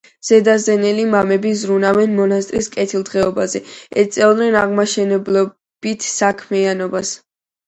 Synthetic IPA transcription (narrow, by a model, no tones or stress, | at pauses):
z̥ɛd̪azɛnɛlimamɛbizɾunavɛnmɔnast̪ʼɾiskʼɛt̪ʰilˠd̪ʁɛɔbazɛɛ̰t̪sʼɛlˠd̪nɛnaʁmaʃɛnɛblɔ | b̥it̪ʰsakʰmianɔbas